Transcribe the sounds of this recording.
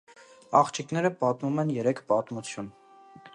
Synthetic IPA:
ɑχt͡ʃʰiknɛɾəpɑt̪mumɛnjɛɾɛkʰpɑt̪mut͡sʰjun

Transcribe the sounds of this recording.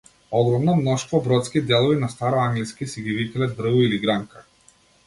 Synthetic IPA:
ɔɡɾɔmnɔmnɔʃt̪vɔbɾɔt̪skʲid̪ɛlˠɔvinast̪aɾɔaŋɡliskʲisiɡʲivikalɛd̪r̩vuiliɡɾaŋka

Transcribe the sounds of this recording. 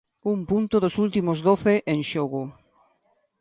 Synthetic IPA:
umpunt̪ʊðʊsult̪imʊzðoθeʔenʃoɣʊ

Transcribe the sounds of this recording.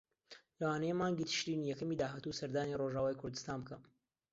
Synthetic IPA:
lɐwaːnɐjemaːŋɡit̪ʰɨ̥ʃɾinijɛkɐmid̪aːɦaːt̪usɐɾd̪aːniroʒaːwaːjkʰʊɾd̪ɨst̪aːnbɨkɐm

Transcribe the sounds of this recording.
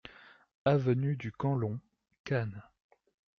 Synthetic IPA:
avənyd̪ykɑ̃lɔ̃ | kan

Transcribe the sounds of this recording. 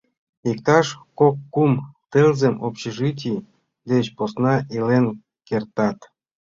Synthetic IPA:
ikt̪ɑʃkokːumt̪elzemopɕeʒɨt̬ʲi | d̪et͡ɕposnɑʔilen | kert̪ɑt̪

